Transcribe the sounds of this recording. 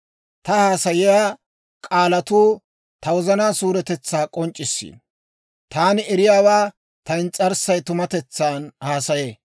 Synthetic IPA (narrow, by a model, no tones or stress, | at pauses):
t̪ɐhaːsɐjɪjaː | kʼaːlɐt̪uː | t̪ɐwɔzɐnaːsuːɾɛt̪ɛt͡sːaːkʼɔnt͡ʃʼːɪsːḭːn | t̪aːnɪɛɾɪjaːwaː | t̪ɐɪnt͡sʼɐɾsɐjt̪ʊmɐt̪ɛt͡sːaːnhaːsɐjeː